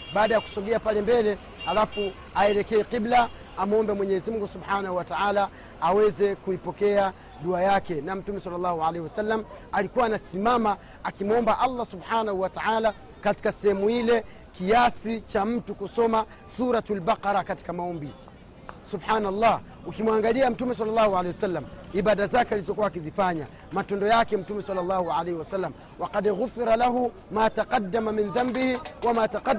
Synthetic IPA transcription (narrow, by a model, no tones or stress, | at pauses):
ɓaːɗajaku̥sɔɡɛapalɛmbɛlɛ | halafu | aɛɾɛkɛɛqiblaː | mɔmbɛmwɛɲɛɛzimuŋɡusubħanahuwataʕalaː | wɛzɛkuipɔkɛa | ɗuajakɛnam̩tumɛsalːalːahuʕalehiwasalːam̩alikuwaːnasimama | akimɔmbaʔalːasubħanahuwataʕala | kati̥kasɛhɛmuilɛ | kiasit͡ʃam̩tukusɔma | suːɾatalbaqɑɾakati̥kamaɔmbi | subħaːnalˤːɑː | ukimwaŋɡaliam̩tumɛs̬alːalːˤɑːhuʕaleiwasalːamibadazakɛalizɔkuwaːkizifaɲa̰ | matɔndɔjakɛm̩tumɛsalːalːɑhuʕalejhiwasalːam | waqadɣufiɾalaɦu | maːtaqɑdːamaminðambihiwamaːtaqa